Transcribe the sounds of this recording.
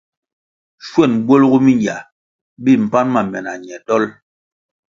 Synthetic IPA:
ʃwɛ˦˨nbwo˦lɡu˦mi˦ɲja˨ | bi˦˨m̩˨pa˦nma˨mɛ˨na˨ɲ˨ɛ˨tɔ˦l

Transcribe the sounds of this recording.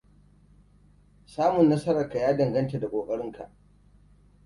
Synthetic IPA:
saː˦mʊ˨nːɐ˦sɐ˦ɾɐ˨ka˨jaː˦dɐ˨ŋɡɐ˦nta˨da˨kʷʼoː˨kʼɐ˦ɽɪ˦ŋka̰˨ʔ

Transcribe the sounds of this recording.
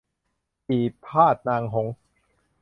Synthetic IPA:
iː˨˩pʰaː˥˩t̪̚naː˧ŋɦo˩˦ŋ

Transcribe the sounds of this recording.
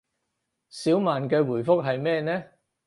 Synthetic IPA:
siː˨˥wmaː˨nkɛː˧wuː˨˩jfʊ˥k̚ɦɐ˨jmɛː˥nɛː˥

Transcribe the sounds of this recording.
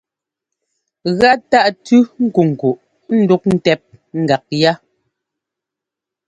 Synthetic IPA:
ɣa˦ta˦ʔtʉ˦ŋ̩˦ku˨ŋ̩˨ku˨ʔ | n̩˦du˦k̚n̩˦tɛ˦p̚ | ŋ̩˦ɡa˨k̚ja˦

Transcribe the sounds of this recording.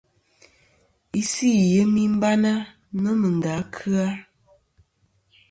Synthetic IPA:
i˦si˦˨jə˨˦mi˦m̩˦ba˦na˦ | nɔ˦mə˨n˨da˨˦kʰɨ˦a˦

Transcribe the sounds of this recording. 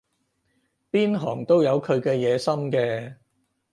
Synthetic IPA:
piː˥nɦɔː˨˩ŋt̪o˥wjɐ˨˧wkʰɵ˨˧ɥkɛː˧jɛː˨˧sɐ˥mkɛː˧

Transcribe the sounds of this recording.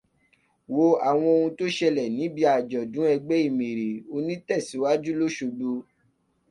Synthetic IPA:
wo˧a˨w̃ɔ̃˧o˧ũ˧to˦ʃɛ˧lɛ˨nĩ˨˦bi˧a˨d͡ʒɔ˨dũ˨˦ɛ˧ɡ͡bɛ˦i˦˨mẽ˨ɾe˨o˧nĩ˦tɛ˦˨si˨˦wa˦d͡ʒu˦lo˦ʃo˧ɡ͡bu˧

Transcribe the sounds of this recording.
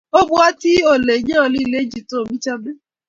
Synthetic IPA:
o˦bu˦a˦ti˦o˦˨le˨ɲã˦o˧li˦i˨le˨˦d͡ʒi˦˨tõ˦˨bĩ˦t͡ʃa˧be˦

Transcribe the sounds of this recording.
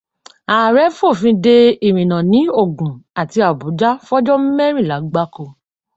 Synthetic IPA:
aː˨ɾɛ˨˦fo˦˨fĩ˧de˧i˨ɾ̃ĩ˨nã˨nĩ˨˦o˦˨ɡũ˨a˨ti˧a˨bu˨˦d͡ʒa˦fɔ˦d͡ʒɔ˦m̩˦mɛ˦ɾ̃ĩ˦˨la˨˦ɡ͡ba˦ko˧

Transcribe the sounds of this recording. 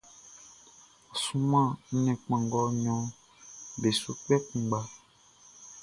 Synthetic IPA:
ɔ˨sũ˦mã˦˨n̩˦nɛ̃˨k͡pã˨ŋɡɔ˦ɲɔ̃˨˦ | be˨so˦k͡pɛ˦k͡pũ˨ɡ͡ba˦

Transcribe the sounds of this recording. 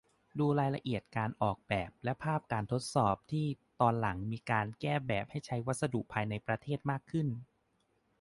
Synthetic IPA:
duː˧ɾaː˧jla̰˧ʔi˨˩ət̪̚kaː˧nʔɔː˨˩k̚bɛː˨˩p̚lɛ˦˥pʰaː˥˩p̚kaː˧nt̪ʰo˦˥t̪̚sɔː˨˩p̚t̪ʰiː˥˩t̪ɔː˧nla˩˦ŋmiː˧kaː˧nkɛː˥˩bɛː˨˩p̚ha˥˩jt͡ɕʰa˦˥jwa˦˥t̪̚sa˧du˨˩ʔpʰaː˧jna˧jpɾa˧t̪ʰeː˥˩t̪̚maː˥˩kʰːɯ˥˩n

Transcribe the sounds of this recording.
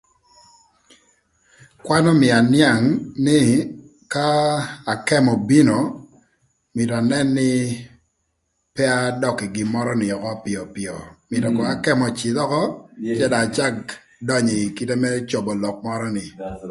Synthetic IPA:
kwa˦nɔ˦mɪ˨a˨nja˦˨ŋnɪ˦ | ka˦a˨kɛ˦mɔ˨bi˦no˨ | mɪ˨tɔ˨a˨nɛ˦nːɪ˦ | pɛ˦a˦dɔ˨kɪ˨ɡɪ˨mɔ˦ɾɔ˦nɪ˨ɔ˨kɔ˦pɪ˨ɔ˨pɪ˨ɔ˨mɪ˨tɔ˨kɔ˨a˨kɛ˦mɔ˨t͡ʃɪ˨d̪ɔ˦kɔ˦t͡ʃɛ˦da˨t͡ʃa˦k | dɔ˦ɲi˨ki˦tɛ˦mɛ˦t͡ʃo˨bɔ˨lɔ˨k̚mɔ˦ɾɔ˦nɪ˨

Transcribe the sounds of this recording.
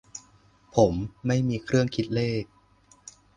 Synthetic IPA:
pʰo˩˦mːa˥˩jmiː˧kʰɾɯ˥˩əŋkʰi˦˥t̪̚leː˥˩k̚

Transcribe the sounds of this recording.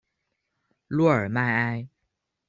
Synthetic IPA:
lwɔ˥˩ə˞˨˩ma˥˧ɪa˥ɪ

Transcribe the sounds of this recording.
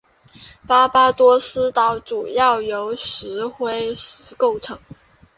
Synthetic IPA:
pa˥pa˥t̪wɔ˥sɹ̩˥t̪ɑ˧˥ʊʈ͡ʂu˨˩jɑ˥˩ʊjo˧˥ʊʂɻ̩˧˥xwe˥ɪʂɻ̩˧˥ko˥˩ʊʈ͡ʂʰɤ˧˥ŋ

